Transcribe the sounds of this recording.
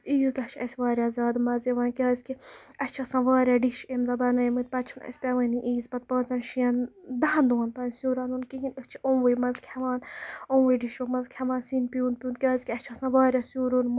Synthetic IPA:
iːzd̪ɐt͡ʃʰɐ̰sʲʋaːɾʲjaːzʲaːd̪mɐzeʋaːnkʲaːzkiɐt͡ʃʰɐsãːʋaːɾʲjaːɖiʃemzɐbɐnɐmɨt̪̚pɐt͡ʃʰunɐ̰sʲpʲɐʋɐniʔiːzpɐt̪̚pɐːnzɐnʃijɐnd̪ɐɦɐ̃nd̪oːnpɐnsjuːɾaːnunkiɦinəkt͡ʃʰõːʋɨjmɐzkʲʰɐʋaːnõːʋɨjɖiʃoːmɐzkʲʰɐʋaːnsinpijũːn̚pʲijuːnt̪kʲjaːzʲkiɐst͡ʃʰɐsãʋaːɾʲjaːsjuːɾonm

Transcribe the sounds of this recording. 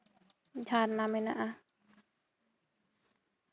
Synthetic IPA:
t͡ʃʰaːtnamenaʔa

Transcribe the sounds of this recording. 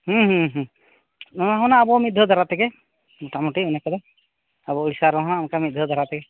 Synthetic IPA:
hũɦũɦ | nɔaɦɔnaːbɔmitd̪ʱɔd̪ʱaɾat̪ɛkɛ | muʈamuʈiunɛkɔd̪ɛ | abɔuɽisaɾɔɦɔnaːmkamit̚d̪ʱɔd̪ʱaɾat̪ɛkɛ

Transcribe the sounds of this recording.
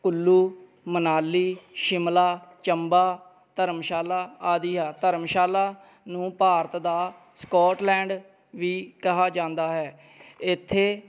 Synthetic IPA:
kʊlːuː | mənaːlːiːʃɪmlaːt͡ʃəmbaː | t̪əɾəmʃaːlaːaːd̪iːaːt̪əɾmʃaːlaː | nũːpaːɾət̪d̪aː | skɔːʈlɛ̃ːɳɖ | ʋiːkəɦaːd͡ʒãːnd̪aːɦɛː | ɪt̪ʰːeː

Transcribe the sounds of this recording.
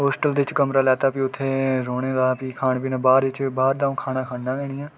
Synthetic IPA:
ɦoːsʈəld̪eɪt͡ʃkəmɾaːlɛːt̪aːpiʊt̪ʰːeːɾoːɽeːd̪aːpikʰaːɳ̃pinãːbaːɾʋɪt͡ʃbaːɾd̪aːũkʰaːɽ̃aːkʰaːɳnãːɡɛːɽ̃ɪːɛ̃ː

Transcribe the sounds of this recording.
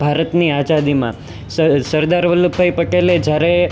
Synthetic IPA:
bʱaɾət̪niad͡ʒad̪imã̰ | səsəɾd̪aɾʋəlubbʱaipəʈeled͡ʒjaɾe

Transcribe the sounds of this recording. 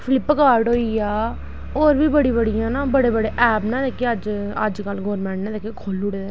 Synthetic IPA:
pʰɪlɪpːkaːɾɖɦoːiːaː | oːɾbiːbəɽiːbəɽɪjãːnaːbəɽeːbəɽeːʔɛːpnãːd̪eːkeːəd͡ʒə̰d͡ʒkəlɡɔːɾmɛ̃ːɳʈnãːd̪eːkekʰoːlʊɽeːd̪eː

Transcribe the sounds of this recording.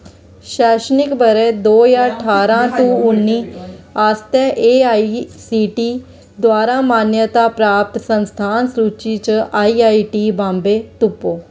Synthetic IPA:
ʃɛːʃənɪkbəɾeːd̪oːjãːəʈʰaːɾãːt̪ũːʊnːiːaːst̪ɛːʔeːaːisiːʈiː | d̪waːɾaːmaːnjət̪aːpɾaːp̚t̪sənst̪ʰaːnsɾuːt͡ʃiːt͡ʃaːiːaːiːʈiːbãːmbeːt̪ʊpːoː

